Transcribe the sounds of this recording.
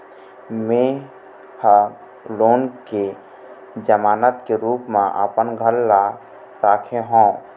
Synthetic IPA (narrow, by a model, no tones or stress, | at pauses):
mẽ | hə | loːnke | d͡ʒəmaːnət̪keɾuːpmḛ̃ʔə̰pənɡʱəlːa | ɾaːkʰeɦõː